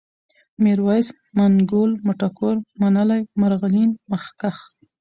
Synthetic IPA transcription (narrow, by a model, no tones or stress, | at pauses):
miɾwajs | maŋɡolmʊʈakoɾmanəlajmaɾɣalinmaxkax